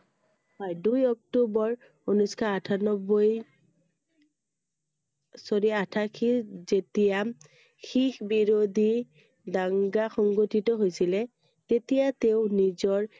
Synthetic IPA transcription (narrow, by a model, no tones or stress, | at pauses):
ajdujɔk̚tobɔɹ | onuskʰaatʰanɔboj | soɹiatʰakʰizetijam | xixbiɹodʱi | daŋɡaxɔŋɡotitɔɦojsilɛ | tetijateʊnizɔɹ